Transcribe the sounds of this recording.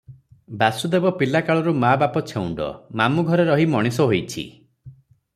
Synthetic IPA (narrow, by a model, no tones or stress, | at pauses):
basud̪ebɔpilakaɭɔɾumabapɔt͡ʃʰeuɳɖɔ̰mamuɡʱɔɾeɾɔɦimɔɽ̃isɔɦojt͡ʃʰḭ